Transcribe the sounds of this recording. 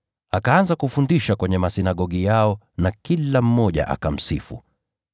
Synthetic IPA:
akaanzakufundiʃakwɛɲɛmasinaɠɔɠijaɔ | nakilam̩mɔʄa̰ʔa̰kam̩sḭfṵ

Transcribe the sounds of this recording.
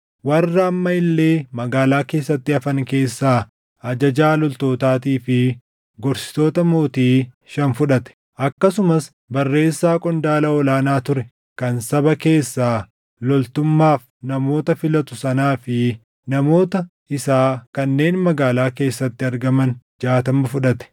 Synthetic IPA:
wɐrːɐːmːɐɪlːe̞ːmɐɡaːlaːke̞ːsːɐt̪ːɪɐfɐŋke̞ːsːaː | ɐd͡ʒɐd͡ʒaːlɔlt̪o̞ːt̪aːt̪iːfɪ | ɡɔɾsɪ̥t̪o̞ːt̪ɐmo̞ːt̪iː | ʃɐnfʊᶑɐt̪ɛ̥ | ʔɐkːɐsʊmɐs | bɐrːe̞ːsːaːkʼɔnd̪aːlɐɔlaːnaːt̪ʊɾɛ | kɐnsɐbɐke̞ːsːaː | lɔlt̪ʊmːaːf | nɐmo̞ːt̪ɐfɪlɐt̪ʊsɐnaːfɪ | nɐmo̞ːt̪ɐ | ɪsaːkɐnːe̞ːnmɐɡaːlaːke̞ːsːɐt̪ːɪɐɾɡɐmɐnd͡ʒaːt̪ɐmɐfʊᶑɐt̪ɛ̥

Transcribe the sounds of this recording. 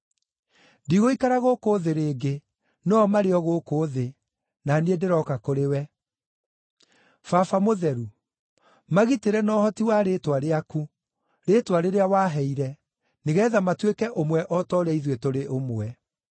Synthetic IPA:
ndiɣoikaɾaɣoːkoːðeɾeːɡe | nɔmaɾeɔɣoːkoðe | naniedeɾɔkakoɾewɛ | fafamoðɛɾu | maɣiteɾɛnɔːhɔtiwaɾetwaɾeaku | ɾeːtwaɾeɾeawaɦɛiɾɛ | neɣɛðamatwekɛʔomwɛʔɔtɔːɾɛiðwetoɾeʔomoɛ

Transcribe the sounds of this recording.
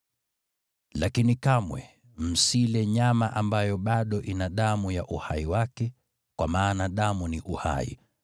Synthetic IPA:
lakinikamwɛ̰ | m̩silɛɲamaʔambajɔɓaɗɔʔinaɗamujaʔuhaiwakɛ | kwʔamaːnaɗamuniʔuha̰ḭ

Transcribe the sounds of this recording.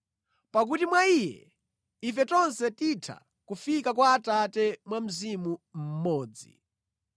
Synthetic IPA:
pak̬utimwaijɛ̰ | ifɛtɔnsɛtitʰa̰ | kufikakwaːtatɛmwam̩zimum̩mɔːd͡zḭ

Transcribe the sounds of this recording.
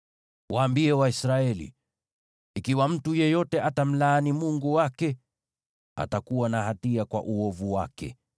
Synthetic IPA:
wʔaːmbiɛwaisɾaɛlḭː | kiwam̩tujɛjɔtɛatam̩laːnimuŋɡuwakɛ | a̰takuwanaɦatiakwa̰ʔuɔvuwa̰kɛ̰

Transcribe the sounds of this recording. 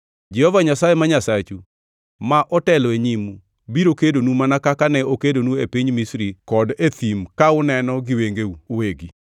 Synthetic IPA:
d͡ʒɛhɔvaɲasajemaɲasat͡ʃu | maʔɔtɛlɔeɲimu | biɾokedonumanakakanɛokedonuepiɲmisɾikɔdet̪imkaʊnɛnɔɡɪweŋɡeuːweɡi

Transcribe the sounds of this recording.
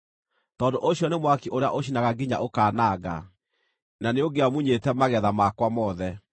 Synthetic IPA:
tɔːndoʔoɕjɔnemwakiʔoɾea̰ʔoɕinaɣaɡiɲa̰ʔokaːnaːɡa̰ | naneoɡeamuɲetɛmaɣɛðamakwamɔːðɛ

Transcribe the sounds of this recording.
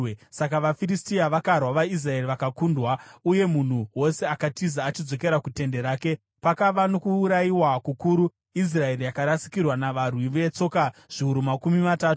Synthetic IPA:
sakaʋafiristiaʋakarwaʋais̬rae̞riʋakakundwauje̞mun̤uwo̞se̞akatizaːt͡ʃid͡zo̞ke̞ɾakute̞nde̞ɾaːke̞ | pakaʋano̞kuːɾajiwakukuːɾu | is̬rae̞rijakaɾasi̥kirwanaʋarwiʋe̞t͡so̞kaʐ̥iuɾumakumimataːtu

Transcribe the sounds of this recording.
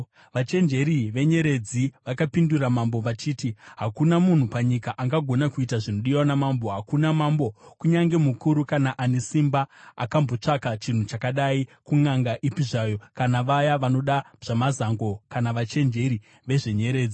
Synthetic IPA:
ʋat͡ʃe̞nd͡ʒe̞ɾiʋe̞ɲe̞ɾe̞d͡ziʋakapinduramambo̞ʋat͡ʃiːtiɦakunamun̤upaɲikaʔaŋɡaɡʱo̞nakuitaʐino̞ɗiwanamambo̞ɦakunamaːmbo̞kuɲaŋɡe̞mukuɾukanaʔane̞simbaa̰kambo̞t͡ʂakat͡ʃin̤ut͡ʃakaɗaikuŋaŋɡaʔipiʐajo̞kanaʋajaʋano̞ɗa | ʐ̥amazaŋɡo̞kanaʋat͡ʃe̞nd͡ʒe̞ɾi | ʋe̞ʐe̞ɲe̞ɾe̞ːd͡zi

